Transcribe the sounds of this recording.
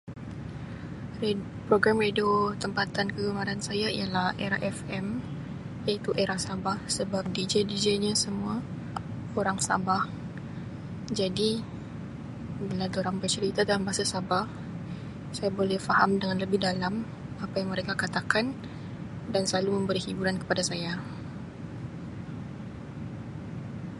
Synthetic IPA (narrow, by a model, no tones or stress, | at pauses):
pɾoɡɾamrediot̪əmpat̪ankəɡəmaɾansajaḭjalahɛɾaʔɛfɛm | jait̪uʔeɾahsabahsəbap̚did͡ʒedid͡ʒeɲasəmua | oɾaŋsa̰bah | d͡ʒadi | bəladoɾaŋbərt͡ʃəɾit̪ad̪alambasasabah | sajabolɛhfaɦamdəŋanləbɪhdalam | apajaŋməɾekakat̪akan | dansəlaluməmbəɾihibuɾankə̥padasaja